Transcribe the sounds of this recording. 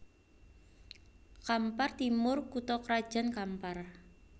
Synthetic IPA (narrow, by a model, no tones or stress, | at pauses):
kampart̪imʊrkut̪ɔkɾad̥ʒ̥a̤nkampar